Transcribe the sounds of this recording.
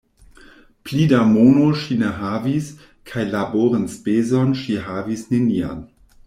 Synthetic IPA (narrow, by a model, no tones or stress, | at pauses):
plidamonoʃineɦavis | kʰajlaboɾənspezonʃiɦavisnenia̰n